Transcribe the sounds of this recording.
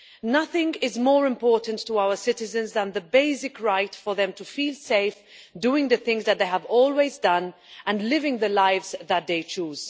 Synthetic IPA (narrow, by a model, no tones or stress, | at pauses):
nʌθɪ̃ŋɪzmɔːɹɪ̃mpɔɹʔn̩tʰːəaʊə˞sɪɾɨzɨ̃nzðə̃nðəbeɪsɪkɹaɪtfə˞ðɛ̃mtufiːlˠseɪfduːɪ̃ŋðɨθɪ̃ŋzðɨt̪̚ðeɪəvɔːlˠweɪzdʌ̃nʔə̃nlɪvɪ̃ŋðəlaɪvzðət̪̚ðeɪt͡ʃuːz̥